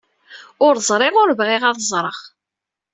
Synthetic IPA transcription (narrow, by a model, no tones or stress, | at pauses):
ʊɾzˤɾˤɪʁʊɾvʁɪʁɑðzˤɾˤəʁ